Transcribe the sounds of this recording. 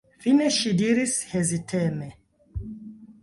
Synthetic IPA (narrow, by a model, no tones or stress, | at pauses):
fineʃidiɾishezitʰeme